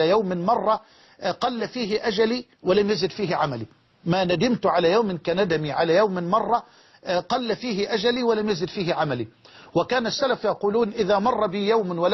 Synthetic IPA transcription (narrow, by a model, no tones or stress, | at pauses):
ajawmɪnmɑrˤːɑ | qɑlːafiːɦɪʔad͡ʒaliː | wɪlamjazɪd̪fiːɦɪʕamaliː | maːnad̪ɪmt̪ʕalaːjawmɪnkanad̪amiʕalaːjawmɪnmɑrˤːɑ | qɑlːafiːɦɪʔad͡ʒaliːwɪlamjazɪd̪fiːhɪʕamali | wɪkaːnasːalafjɑquːluːnʔɪðaːmɑrˤːɑbɪjawmnwɪl